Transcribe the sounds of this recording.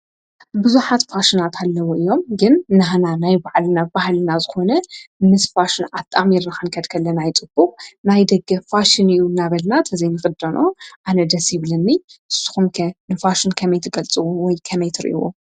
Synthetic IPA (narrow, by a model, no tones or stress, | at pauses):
bɨzuħat̪faʃɪnat̪ʰalːɐwoʔɨjːo̞mɡɨnːaɦananajbaʕlɨnabaɦlɨnazɨxo̞nɐmɨsfaʃɪnat̪ʼːamiɾnɨxɨnkʰɐd̪kʰɐlːɐnajt͡sʼɨb̥ːuχʼnajd̪ɐɡːɐfaʃɪniʔjunaβɐlnat̪ʰɐzɐjnɨxʼɨd̪ɐnʔo̞ʔanɐd̪ɐsjiβlɐnːiʔɨsu̥xumkʰnɨfaʃɪnkʰɐmɐjt̪ʰɨɡɐlt͡sʼɨwuwɔjkʰɐmɐjt̪ʰɨɾɨ̰ʔwo̰